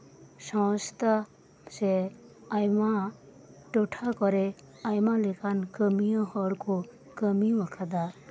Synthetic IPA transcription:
ʃɔ̃ːst̪a | seajmã | ʈoʈʰakɔɾe | ajmãlekankəmijə̃ɦɔɽko | kəmiʋəkʰad̪a

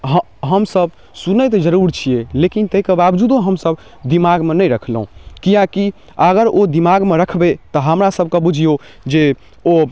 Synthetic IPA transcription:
ɦə | ɦəmsəb | sunəjt̪d͡ʒəɾuɾt͡ʃʰijelekint̪əjkebabd͡ʒud̪õɦəmsəb | d̪imaɡmenəjɾəkʰlɦũkijãki | əɡəɾod̪imaɡmeɾəkʰbet̪ɔɦəmɾasəb̚ʱkebud͡ʒʱijo | d͡ʒe | o

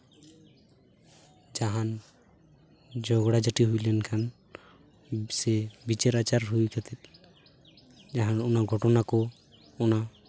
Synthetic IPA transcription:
d͡ʒaɦan | d͡ʒɔɡɽad͡ʒaʈiɦujlɛnkʰan | sɛbit͡ʃeɾat͡ʃaɾɦujkʰat̪ʰɛt̪̚ | d͡ʒaɦanɔnaɡʱɔʈɔnakɔ | ɔna

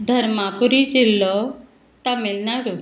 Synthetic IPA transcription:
d̪ʱəɾmapuɾid͡ʑilːɔ | t̪amelnaɾu

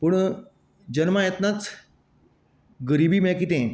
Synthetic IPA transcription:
puɳ | d͡ʑənmajet̪nat͡s | ɡəɾibʱiːmɛkit̪ẽ

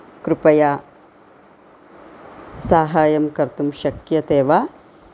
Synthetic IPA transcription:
kɾupɐja | saːɦaːjɐmkɐɾt̪umʃɐkjɐt̪eːʋaː

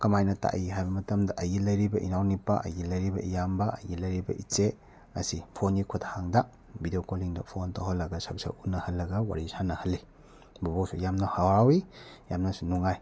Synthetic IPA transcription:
kɐmajnɐta̰ʔihajbɐmɐtɐmdɐʔɐjɡilɐjɾibɐʔinawnipaʔɐ̰jɡilɐjɾibɐ̰ijambɐʔɐjɡilɐjɾibɐ̰ʔit͡ʃe | ɐsipʰonikʰuthaŋdɐ | bidiokoliŋdɐpʰontaɦolːɐɡɐsak̚sa̰unːɐhɐlːɐɡɐwa̰ɾisanɐhɐlːi | bubosʰujamnɐhawaɾawijamnɐsunuŋaj

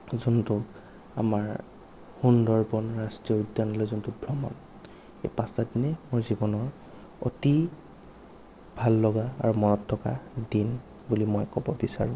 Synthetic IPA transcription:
zuntʊ | a̰maɹ | hundɔɹbɔnɹastɹiɔudːanɔlojzuntʊbʱɹɔmɔ̰n | ejpãstadinɛmʊɹzibɔnɔɹ | o̰ti | bʱalːɔɡaa̰ɹumɔnɔtʰːɔka̰din | bulimɔjkɔbɔbisa̰ɹũ

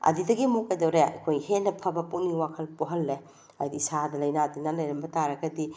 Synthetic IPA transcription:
ɐ̰didɐɡimuk̚ɐjdɐwɾeɐ̰kʰojhenɐpʰɐbɐpuniwakʰɐlpoɦɐlːe | ajdiːsadɐlɐjnatinalɐjɾɐmbɐtaɾɐɡɐdi

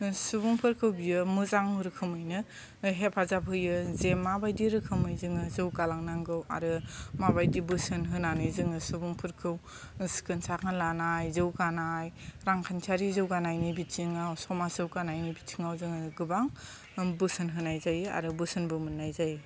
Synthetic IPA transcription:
subuŋpʰɯɾkʰɯwbiɯmuzaŋuɾɯkʰɯmɯjnɯ | ɦepʰazapʰɯjɯzemːabajdiɾɯkʰɯmɯjzɯŋɯzɯwkalaŋnaŋɡɯwa̰ɾɯmabajdibɯsɯnɦɯnanɯjzɯŋɯsubuŋpʰɯɾkʰɯw | skɯnsakanlanajzɯwkanajɾaŋkʰant͡ʃʰaɾizɯwkanajnibitʰiŋawsɔmasɯwkanajnibitʰiŋawzɯŋɯɡɯbaŋ | bɯsɯnɦɯnajzaja̰ɾɯbɯsɯnbɯmɯnːajzaj

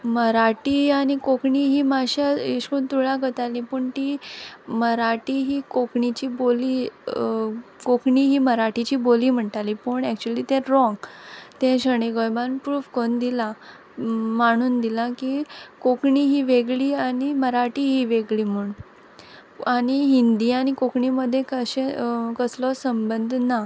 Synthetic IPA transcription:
məɾaʈianikokɳiɦiːmaɕaiɕkunt̪uɭãkət̪alĩpəɳt̪iməɾaʈiɦiːkokɳit͡ɕiːboliː | kokɳiɦiːməɾaʈit͡ɕiːboliːm̤əɳʈalipəɳɛk̚t͡ɕuəliːt̪ɛɾɾɔ̃ŋɡt̪ɛ̃ɕəɽ̃eɡɔjbanpɾuːfkond̪ila | maɽ̃uːnd̪ilakikokɳiːɦiːʋeɡɭiːañiməɾaʈiɦiːʋeɡɭiːm̤uɳ | añiɦind̪ianikokɳiməd̪ʱːjekəɕẽkəslɔsəmbənd̪ʱna

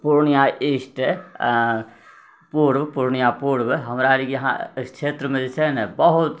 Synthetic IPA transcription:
puɾnijaʔisʈ | puɾbpuɾnijapuɽbɦəmɾaɾikjəɦãst͡ʃʰet̪ɾəmed͡ʒet͡ʃʰɛnɛbəɦut̪

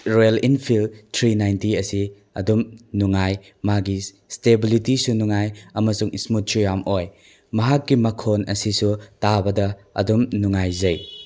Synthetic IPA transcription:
ɾolinpʰiltʰɾinajntiɐsi | ɐ̰dumnuŋaj | maɡi | stebilitisunuŋajɐmɐsuŋḭsmut̚sujamʔoj | mɐɦakːimɐkʰonɐsisutabɐdɐ | ɐ̰dumnuŋajzɐj

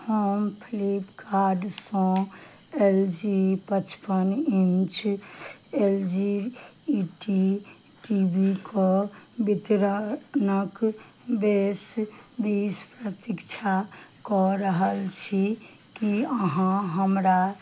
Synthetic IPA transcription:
həmpʰilipkaɾɖsɔ̃ | eld͡ʒipət͡ʃʰpənint͡ʃ | eld͡ʒi | ʈi | ʈibikʰɔbit̪ɾənək | besbispɾət̪ikt͡ʃʰakɔɾəɦəlt͡ʃʰikiəɦãɦəmɾa

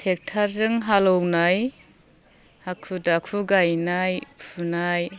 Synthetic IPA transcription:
tʰek̚tʰaɾzɯŋɦalɔwnaj | hakʰudakʰuɡajnajpʰunaj

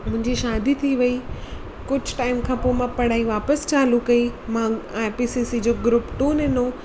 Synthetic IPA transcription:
mʊ̃ɦɪ̃ɲd͡ʑiʃaːd̪it̪ʰiʋɐi | kʊd͡ʑʱʈaːɪmkʰãːpoːmãpɐɽ̤aːiʋaːpəst͡ɕaːlukɐimãapisisid͡ʑoːɡɾʊpʈuːnɪ̃nõ

